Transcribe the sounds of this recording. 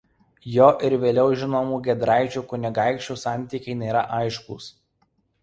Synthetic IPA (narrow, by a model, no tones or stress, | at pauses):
joːʔɪɾʋʲeːlʲɛʊʒʲɪnoːmuːɡʲɛd̪ɾɑˑɪt͡ʃʲuːkʊnʲɪɡɑˑɪkʃʲt͡ʃʲuːsɑˑnʲˑt̪ʲiːkʲɛɪnʲeːɾɐʔɑˑɪʃkṵːs